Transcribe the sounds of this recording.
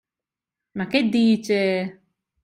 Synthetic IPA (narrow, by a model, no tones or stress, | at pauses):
maked̪ːiːt͡ʃe